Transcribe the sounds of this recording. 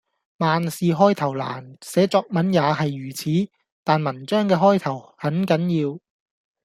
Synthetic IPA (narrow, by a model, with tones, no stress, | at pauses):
maː˨nsiː˨˧ɦɔː˥jt̪ʰɐ˨˩wla̰ː˨˩nsɛː˨˥t͡sɔː˧k̚mɐ˨˥njaː˨˧hɐ˨jːyː˨˩t͡sʰiː˨˥ | t̪aː˨nmɐ˨˩nt͡ʃœː˥ŋkɛː˧ɦɔː˥jt̪ʰɐ˨˩whɐ˨˥nkɐ˨˥njiː˧w